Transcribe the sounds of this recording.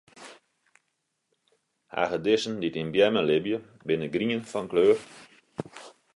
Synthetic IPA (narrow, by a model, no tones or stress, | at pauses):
ha̰ːɣədɪsənditinbjɛməlɪbjə | bɪnəɡriənfɔnkløːr